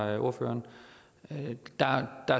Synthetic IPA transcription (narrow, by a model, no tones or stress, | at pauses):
ʔo̝ɐ̰fø̰ːɐn | d̥ɑd̥ɑ